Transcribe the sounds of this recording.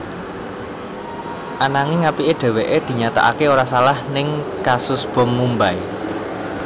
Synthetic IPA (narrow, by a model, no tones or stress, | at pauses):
ʔanaŋiŋapiʔeɖ̪̥ɛ̤weʔed̪̥i̤ɲat̪a̰ʔa̰keoɾasalahnɪŋkasʊsb̥ɔ̤mːumbai